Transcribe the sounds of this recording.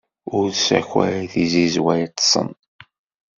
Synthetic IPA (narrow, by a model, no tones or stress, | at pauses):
ʊɾðsæ̰çæ̰θizizwæjt̪ːsˤə̰n